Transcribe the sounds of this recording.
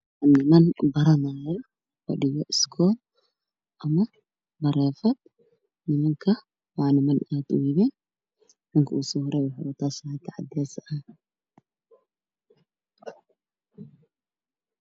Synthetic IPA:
nɪmɐnbɐɾɐnaːjɔ | fɐ̰ɖɪɣɔʔɪskʰɔːl | ʔɐmɐ | bɐɾɛːfɐd̪̚ | nɪmɐŋkʰɐ | wɑʕnɪmɐnaːd̪ʊjɪβɛːn | ʕʊŋkʰɐuːsɔhʊɾɛwʊħawɐt̪ʰaːshat̪ʰɐʕɑ̰d̪ɛːsɐ

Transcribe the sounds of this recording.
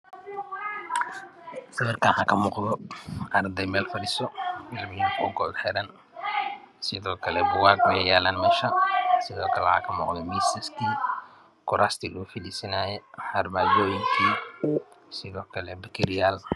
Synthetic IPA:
sɐβɛrkʰanhɐkʰɐmɔːqðɔʔɐrd̪ɛjmɛːlfɐɾisɔɪlmɪjʊŋkʰɔ̰ːɡɔ̰ːd̪ħɛɾɐn | sɪðɔːkʰɐlɛbʊwaːɡwɛjɛjaːlaːnmɛːʃɐsɪðɔːkʰɐlɛha̰kʰɐmɔ̰ːqd̪ɛmisɐskʰiː | kʰʊɾaːst̪ʰiːlʊʊfɪliːsɐnaːjɛħɐrmaːd͡ʒɔːjɪŋkʰiː | sɪðɔːkʰɐlɛbɐkʰɪɾjaːl

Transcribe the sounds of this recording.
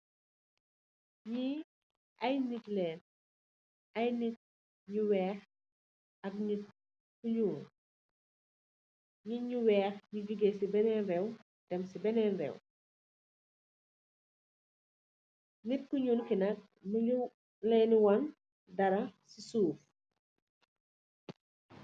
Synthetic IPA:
ɲi | ʔɐjnitlɛːn | ɐjnit̚ | ɲuwɛːx | ɐk̚nit̚ | kuɲuːn | ɲiɲuwɛːxɲuɡiɡesibɛnɛnrɛw | d̥ɛmsibɛnɛnrɛ̰w | nit̚kuɲuːnkinɐk̚ | nu | lɛːnuwɐn | dɐɾɐsisuːf

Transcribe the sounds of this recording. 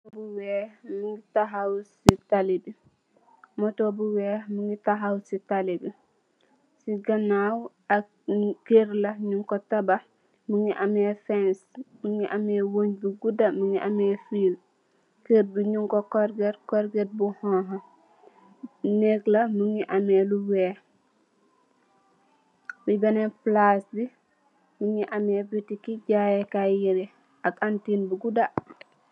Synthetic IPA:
buwɛːhmuŋɡitaɦawsitalibi | mɔtɔbuwɛːmuŋɡitaɦawsitalibi | siɡɐnaːw | ɐk | keɾlɐɲuŋkɔtɐbɐ | muŋiʔamɛfɛnsmuŋiʔɐmɛwoɲbuɡudɐmuŋiʔamɛːfiːl | keːt̚biɲuŋkokoɾɡetkoɾɡet̚buhɔɦɐ | neɡlɐmuŋiʔameluweː | bibaneplasbi | muŋiʔamebitikiɟajekajiɾi | akantinbuɡuda

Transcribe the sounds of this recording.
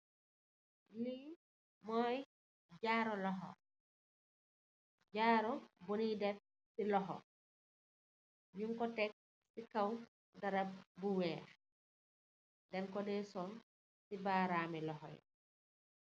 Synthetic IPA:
li | mɔj | d͡ʒaːɾɔlɔɦɔ̰ | ɟaːɾɔbonidɛf | silɔɦɔ̰ | juŋkɔtɛk̚ | sikaw | daɾab̚buwɛːɾ | dɛnkɔdɛsɔn | sibaːɾamɛlɔɦɔ̰j̰

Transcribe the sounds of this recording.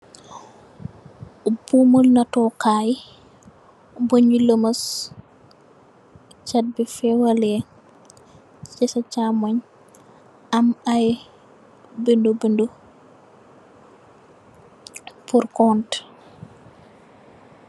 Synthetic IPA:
bumulnatɔkaːj | boɲuləmɐs | t͡ʃad̚bifɛwalɛ | t͡ʃɛsat͡ʃamaɲ | amaj | bindobindo | puɾkɔnt

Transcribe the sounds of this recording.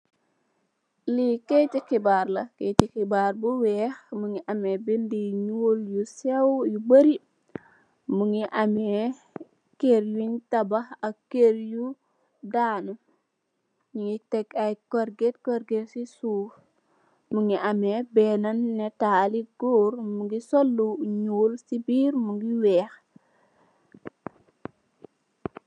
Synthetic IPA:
liketikibaɾlɐketikibaɾbuwɛxmuŋiʔɐmebindiɲuljusewjubəɾi | muŋiʔame | keɾjuɲtɐbahɐkeɾju | daːnu | ɲiŋitekakoɾɡetkoɾɡetsisuːf | muŋiʔamebeːnanːetaːliɡoːɾmuŋɡisolːuɲuːlsibiːɾmuŋɡiwɛːx

